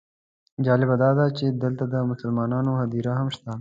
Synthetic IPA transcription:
d͡ʒɑːlɪbad̪ɑːd̪at͡ʃed̪əlt̪ad̪əmʊsəlmɑːnɑːnoɦɐd̪iɾaɦɐmʃt̪a

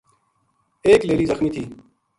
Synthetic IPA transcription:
eːkleːliːzɐxmiːt̪ʰiː

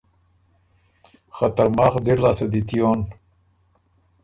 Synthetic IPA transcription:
χɐt̪ɐɾmɑːχd͡ziɾlaːsɐd̪it̪ijoːn

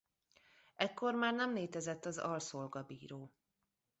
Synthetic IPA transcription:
ʔɛkːo̞rmaːrnɛmleːt̪ɛzɛt̪ːɒzɒ̰lso̞lɡɒbiːɾoː

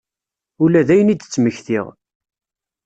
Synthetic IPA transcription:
ulæðæjənid̪ət͡sːməçθiʁ

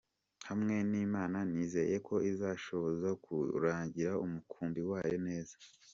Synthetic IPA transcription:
hamŋe̞niːmaːnaniːze̞̰je̞kʰo̞izaʃo̞βo̞zakṵɾaːɲɟiɾaumukʰuːnbiwaːjo̞ne̞ːzḁ

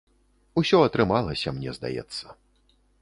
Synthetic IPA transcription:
usʲɔɐt̪ɾɨmalˠɐsʲɐmnʲɛzd̪a̰jɛ̰t̪sːɐ̥

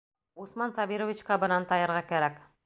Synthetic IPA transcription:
usmɑnsɑβʲiɾovʲit͡ɕkɑbɤ̆nɑnt̪ɑjɤ̆ɾʁɑkæɾæk

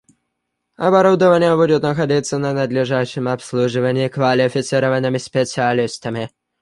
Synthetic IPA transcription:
ɐbɐɾɔd̪ɔvanʲjabud̪ʲʊt̪ʲnɐxad̪ʲit̪sːɐnɐnɐd̪lʲiʐaʂɪmapslˠuʐɨvɐnʲikvalʲɪfʲɪt̪sɨɾɔvanɨmɪsʲpʲɛt̪sʲɪalʲist̪ɐmɪ

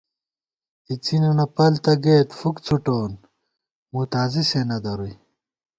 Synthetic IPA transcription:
it͡sinɐnɐpɐlt̪ɐɡeːt̪fukt͡sʰuʈoːn | mut̪aːzisenɐd̪ɐɾuj

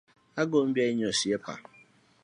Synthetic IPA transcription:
aɡom̩bjaiɲosiepa̰

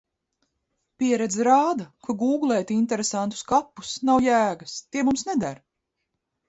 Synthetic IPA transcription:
piɛɾɛd̪zɾaːd̪ɐkuɡuːɡlˠɛjt̪iint̪ɛɾesant̪u̥skapːu̥snawjæːɡɐst̪iɛmumsnɛd̪aɾ

